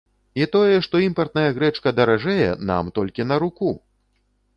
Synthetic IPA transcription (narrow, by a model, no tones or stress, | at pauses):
it̪ɔjɛʂt̪ɔimpɐrt̪nɐjɐɣɾɛt͡ʂkɐd̪ɐɾaʐɛjɛ̰na̰mt̪ɔlʲkʲin̪ɐɾuku